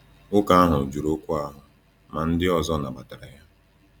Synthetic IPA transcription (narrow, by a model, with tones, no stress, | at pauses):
ʊ˦ka˦a˦ɦʊ˨d͡ʒu˨ɾo˦kʷu˦a˦ɦʊ˨ | ma˨n̩˦dɪ˦ɔ˨zɔ˦na˨ba˨ta˨ɾa˨ja˦